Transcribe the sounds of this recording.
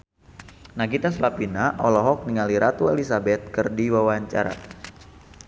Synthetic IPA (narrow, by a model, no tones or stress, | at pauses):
naɡit̪as̬lapinaʔɔlɔɦɔk̚niŋaliɾat̪uelisabɛt̪̚kɨrdiwawaɲt͡ʃa̰ɾa̰